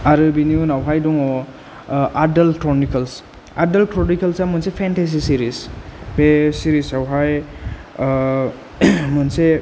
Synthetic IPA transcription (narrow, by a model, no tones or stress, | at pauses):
aɾɯbiniunawɦajdɔŋɔ | adalkɾɔnikals | a̰dalkɾɔnikalsamɯnsepʰentes̬isiɾisbesiɾisawɦaj | munse